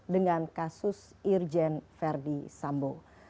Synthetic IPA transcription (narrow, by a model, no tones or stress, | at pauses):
dəŋankasʊs | ird͡ʒɛnfɛrdisambo